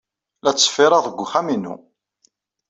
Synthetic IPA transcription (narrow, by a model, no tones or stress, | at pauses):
læt͡sːə̥fɪɾˤɑðəɡʷːχæminṵ